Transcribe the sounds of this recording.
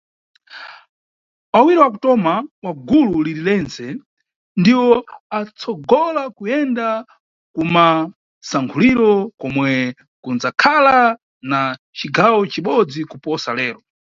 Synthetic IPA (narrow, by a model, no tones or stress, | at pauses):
awiɾɔwakutɔmawaɡululiɾilɛnsɛ | ndiwɔat͡sʰɔɡɔlakujɛnda | kuma | saŋkʰuliɾɔkɔmwɛ | kunzakʰala | na | t͡ʃiɡʱawɔt͡ʃiɓɔd͡zikupɔsalɛːɾɔ